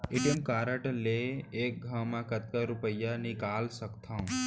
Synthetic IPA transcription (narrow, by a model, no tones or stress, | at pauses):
ɪʈəmkaːɾəʈleeːk̚ɡʱawmãkət̪kaɾupəjːanikaːlsəkt̪ʰãũ